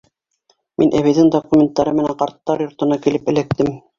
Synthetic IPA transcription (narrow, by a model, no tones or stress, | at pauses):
minʔæβɘ̆ðɘŋd̪okumʲent̪ːɑɾɤmɘ̆næɴqɑɾt̪ːɑɾjŏɾt̪ɤ̆nɑkilɘpɘ̆læk̚t̪ɘm